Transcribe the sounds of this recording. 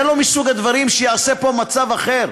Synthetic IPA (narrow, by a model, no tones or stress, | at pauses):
lo̞misuɡad̪vaʁimʃejaːse̞po̞mat͡savaχe̞ʁ